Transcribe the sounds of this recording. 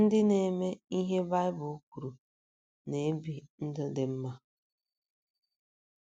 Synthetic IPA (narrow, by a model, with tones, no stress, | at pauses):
n̩˦dɪ˦ne˨me˦i˦ɦe˦ba˦ɪ˦bʊ˨u˦kʷu˨ɾu˨ | ne˨˦bi˨n̩˦dɪ˦dɪ˦m̩˦ma˦